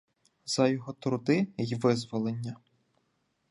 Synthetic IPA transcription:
z̥ɐjɔɦɔt̪ɾʊd̪ɪjʋɪzʋɔlˠenʲːɐ

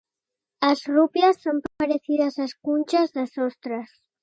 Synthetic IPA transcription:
ɐzrupjasːompapaɾeθiðɐzaskunʲt͡ʃazðɐsɔst̪ɾɐs

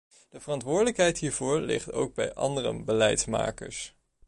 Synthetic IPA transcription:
d̥əvərɑntʋʊːɹdələkɦɛjtɦiːɹvʊːɹlɪ̰χto̰wɡ̚bɛjʔɑ̰ndərə̰bəlɛjtsma̰ːkə̰ɹs

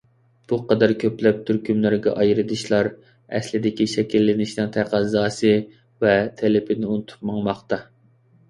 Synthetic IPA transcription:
b̥uqɑd̪ɛɾkʲʰøplɛp̚t̪ʰyɾkʲʰymlæɾɡʲɛ̰ʔɑjɾɨd̪ɨʃlˠɑɾ | ɛ̰slɪd̪ɪkʲiʃɛkʲilːɪnɪʃnɨŋt̪ʰæqɑzɑːsɨ | vɛt̪ʰelɪpʰɪnɪunɨt̪ʰu̥p̚mɑŋmɑχt̪ɑ

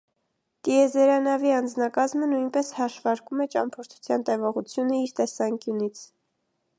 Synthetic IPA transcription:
kiɛzɛɾɑnɑviɑnd͡znɑkɑzmənujnpɛshɑʃvɑɾkumɛt͡ʃɑmpʰɔɾt̪ʰu̥t͡sʰjɑnt̪ɛvɔʁut͡sʰjunəiɾt̪ɛsɑŋkjunit͡sʰ

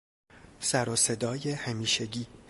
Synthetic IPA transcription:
sæɾose̞d̪ɒːje̞hæmiːʃe̞ɟiː

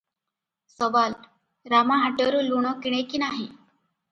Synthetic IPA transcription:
səʋal | ɾamaɦaʈəɾuluɳ̃əkiɽ̃ekiːnaɦe

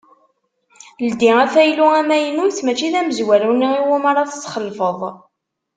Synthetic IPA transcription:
ld̪iæθæjluæmæjənujt͡sːmæt͡ʃːiðæməzwæɾunəiwumaɾˤɑθt͡sːχəlfəðˤ

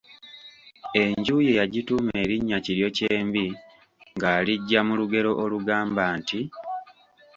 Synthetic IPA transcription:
e̞ɲɟuːje̞jaɟitume̞ːɾiɲːaciɾjo̞ce̞ːmbi | ŋɡaːliɟːamuluɡe̞ɾo̞ʔoluɡaːmbaːnti

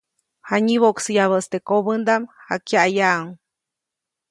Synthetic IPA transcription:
haɲiβoʔksɨjaβəst̪ekoβənd̪amha̰kjaʔajaʔŋ

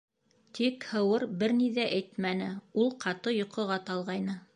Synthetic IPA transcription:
t̪ikhɤ̆wɤɾbɘɾniðæʔæjt̪mænɘulˠqʰɑt̪ɤjŏqɤ̆ʁɑt̪ɑlˠʁɑjnɤ

